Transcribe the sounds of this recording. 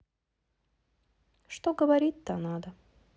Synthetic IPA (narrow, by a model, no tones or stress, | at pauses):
ʂt̪oɡəvɐɾʲit̚ʲt̪anad̪ə